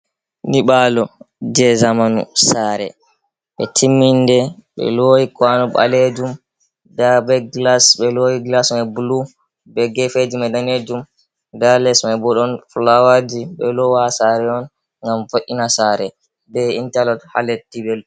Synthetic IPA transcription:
niɓalɔd͡ʒɛzamanṵsaɾɛ̰ | ɓɛ̰tʰimːindɛɓɛ̰loːjikwanɔɓa̰led͡ʒum | dabɛɡlasɓɛlojiɡlasmabulu | bɛɡɛfed͡ʒumɛdaned͡ʒum | dalɛsmabɔɗɔnflawad͡ʒiɓɛlɔwasaɾɛɔn | ŋɡamfoʔinasaɾɛ | bɛintalɔtha̰letːibɛl

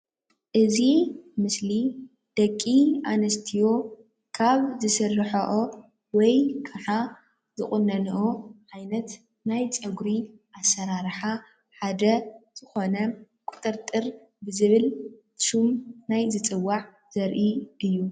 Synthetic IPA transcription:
ʔɨzimɨsli | d̪̥ɐkʼːiʔanɐst̪ʰijo̞ | kʰaβzɨsɨrːħɐʔo | wɔjkʰɐħa | zɨχʼʊnːɐnʔoʕajnɐt̪ | najt͡sʼɐɡɾiʔasːɐɾaɾħa | ħad̪ɐz̥ɨxo̞nɐ | kʼʊt̪ʼɨɾt̪ʼɨɾ | bɨzɨβɨl | ʃumnajzɨt͡sʼɨwːaʕ | z̥ɐɾʔiʔɨjːu

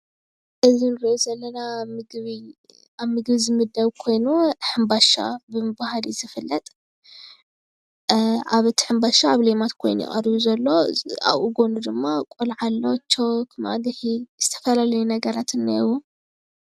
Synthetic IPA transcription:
ʔɨzinɨɾiʔozɐlːɐnamɨɡβi | aβmɨɡβizɨmɨd̪ɐβkʰo̞jnuħɨmbaʃa̰bɨmɨbahalizɨfɨlːɐt̪ʼ | ʔaβɨt̪ʰi̥ħɨmbaʃaaβlemat̪kʰo̞̰jnṵḭʔʼɐ̰ɾβuzɐlːo̞a̰βʔuɡo̞nud̪ɨmːakʷʼolʕalːo̞t͡ʃʰːokʰma̰d̪ɨħiz̥ɨt̪ʰɐ̥fɐlalɐjunɐɡɐɾat̪ʰɨnːawu

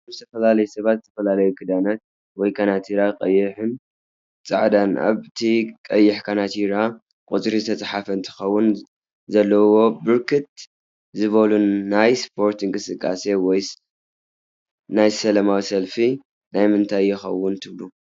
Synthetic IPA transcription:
zt̪ʰɐfɐlalɐjusɐβat̪̚zɨt̪ʰɐfɐlalɐjukʰɨd̪anat̪̚ | wɔjkʰanat̪ʰiɾaqʼɐjːɪħɨn | t͡sʼa̰ʕd̪ana̰βt̪ʰikʼɐjːɪħkʰanat̪ʰiɾa | kʼut͡sʼɾizɨt̪ʰɐt͡sʼħafɐɨnt̪ʰɨ̥xɐwːʊn | zɐlːɐwo̞bɨɾkʰɨt̪̚ | zɨβɐluːajspʰo̞ɾt̪ɨŋkʼɨsɨkʼːa̰se̞wɔj | najsɐlɐmawisɐlfi | najmɨnt̪ʰajːɪxɐ̰wːʊnt̪ʰɨβlu

